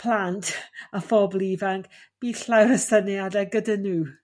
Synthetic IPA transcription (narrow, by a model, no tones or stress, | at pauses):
pʰlˠantʰafɔblˠivaŋk | b̥iɬawɾəsənjadɛɡədənuː